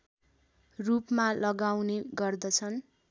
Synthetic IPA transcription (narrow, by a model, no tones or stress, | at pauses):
rupmalʌɡawneɡʌrd̪ʌt͡sʰʌn